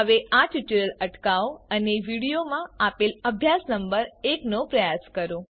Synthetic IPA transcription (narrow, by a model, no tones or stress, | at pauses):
əʋeʔaʈuʈəɾələʈkaoəneʋiɽijomãapeləbʱjasnəmbəɾeknopɾəjaskəɾo